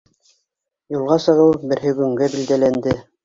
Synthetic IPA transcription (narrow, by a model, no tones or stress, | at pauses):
julˠʁɑsɤ̆ʁɤwbɘ̆ɾɦɘɡɵ̆ŋɡæbild̪ælænd̪ɘ